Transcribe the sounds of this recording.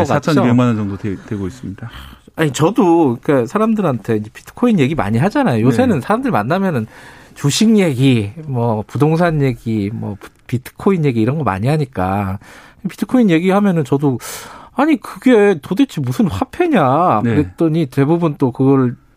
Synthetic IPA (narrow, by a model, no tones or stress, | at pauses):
k͈aat͡ɕʰʌoemanɯnd͡ʑʌŋdoetweɡois͈ɯmɲidaaɲit͡ɕʌdoik͈asʰaɾamdɯɾantʰe̞ind͡ʑe̞pi̥tʰɯ̥kʰoinje̞ɡima̰ɲiɦad͡ʑanajojosʰe̞nɯnsʰaɾamdɯɾima̰nːamjʌnɯnt͡ɕuɕʰiŋje̞ɡimwʌpudoŋsʰanje̞ɡimwʌ̰p | pitʰɯ̥kʰoinje̞ɡiːɾʌnɡʌma̰ɲiɦaɲik͈a̰ | pitʰɯ̥kʰoinje̞ɡihamjʌnɯnt͡ɕʌdoaɲikɯɡe̞todet͡ɕʰimusʰɯnɸapʰe̞ɲakɯɾet͈ʌɲite̞bubunt͈okɯɡʌɭ